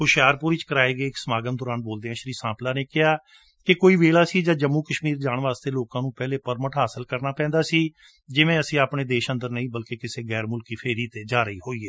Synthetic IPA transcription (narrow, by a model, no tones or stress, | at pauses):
hʊʃjaːɾpʊɾiːt͡ʃkəɾaːeːɡeːɪksəmaːɡənd̪ʊːɾaːnboːld̪eːãːʃəɾiːsãːplaːneːkɪaː | kɪkoːiːʋeːɭaːsiːd͡ʒãːd͡ʒəmːuːkəʃmiːɾd͡ʒaːɳ̃ʋaːst̪eːloːkãːnũːpɛːleːpəɾməʈɦaːsəlkəɾnaːpɛ̃ːnd̪aːsiː | d͡ʒɪʋẽːəsĩːaːpɳeːd̪eːʃə̃nd̪əɾnəĩːbəlkekɪseːɡɛːɾmʊlkiːpʰeːɾiːt̪eːd͡ʒaːɾəiːɦoːiːeː